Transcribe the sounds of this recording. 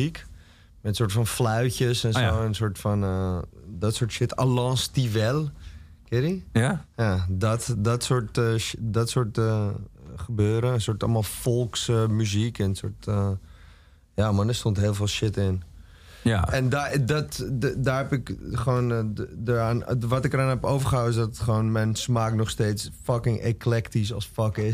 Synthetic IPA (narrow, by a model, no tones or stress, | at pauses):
ik | mɛəsoːɹtfɔnflœɥcəsɛnoːənsoɹtfɔnədɔtsoːtʃɪta̰lɔ̃ːnstiʋɛlˠkɪtijadɔtdɔtsoɹtdɔtsoɹtəχəbøːɾəənsoɹtɔ̰lˠmalˠfolˠksmyzikənso̰ɹt | jamadəstontɦɪːlˠveːlˠʃɪtɪn | ɛndadɔtdaːɦɛpɪkχəʋoːndəanʋɔtɪkəɾanɦɛpowvəχəɦawəɪs̬dɔtχʋoːnmɛjnsmaːknɔχsteːsfɑkɪŋḛkʰlɛktis̬ɔlsfɔkɪ